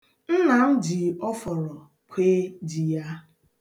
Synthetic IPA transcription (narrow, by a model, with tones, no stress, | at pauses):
n̩˦na˨m̩˦d͡ʒi˨ɔ˦fɔ˨ɾɔ˨ | kʷʰe˦d͡ʒi˨ja˦